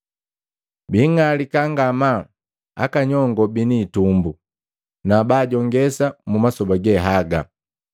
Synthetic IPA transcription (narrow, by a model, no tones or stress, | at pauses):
biŋalikaŋɡama | a̰kaɲɔŋɡɔbiniːtumbu | nabaːɟɔŋɡɛsamumasɔbaɡɛɦaɡa